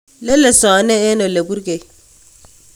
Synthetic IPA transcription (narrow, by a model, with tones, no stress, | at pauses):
le˦lːe˨sɔ˨˦ne˦e˦no˨le˨bu˦ɾɡe˨j